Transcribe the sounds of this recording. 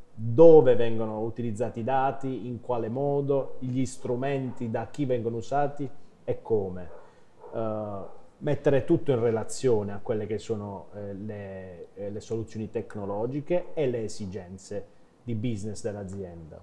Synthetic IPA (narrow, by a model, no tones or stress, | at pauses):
d̪oːvevɛŋɡonout̪ilid̪zːaːt̪id̪aːt̪iiŋkwaːlemɔːd̪oiʎist̪ɾumɛnt̪id̪ak̟ːivɛŋɡonousaːt̪i | ɛkʰːoːme | mɛt̪ːeɾet̪ut̪ːoinrelat̪sːjoːneakːwelːek̟esːoːnolelesolut̪sːjoːnit̪ekːnolɔːd͡ʒikeːleːsid͡ʒɛnt̪se | d̪ibiznesd̪elːad̪zːjɛnd̪a̰